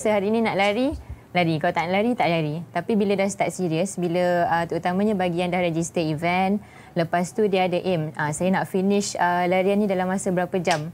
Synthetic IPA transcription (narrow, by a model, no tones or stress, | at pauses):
səɦaɾiːnĩnaʔlaɾi | laɾikalat̪alaɾit̪aʔlaɾit̪apibilədahst̪at̪̚siɾiəsbiləət̪əut̪amãɲãbaɡiandahɾɛd͡ʒist̪əivɛn | ləpast̪udiadəʔeməsajanaʔfinɪʃəlaɾianːĩdalamːasabəɾapad͡ʒam